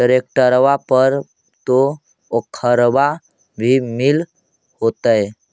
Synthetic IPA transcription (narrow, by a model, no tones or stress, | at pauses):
əɾek̚ʈəɾʋapəɾ | t̪o | okʰəɾba | bʱimil | hot̪əj